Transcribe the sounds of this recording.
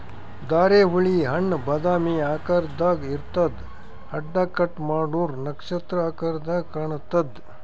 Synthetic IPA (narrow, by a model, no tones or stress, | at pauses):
d̪aːɾeːɦuɭiɦɐɳːbɐd̪aːmiːaːkɐɾd̪aːɡiɾt̪ɐd̪ | hɐɖːaːkɐʈmaːɽuːɾnɐkʂɐt̪ɾɐaːkɐɾd̪aːɡɐɳt̪ɐd̪